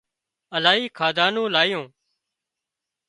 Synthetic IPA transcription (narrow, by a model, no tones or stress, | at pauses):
əlaːɦiːkʰaːd̪ʱaːnõːlaːɪjõː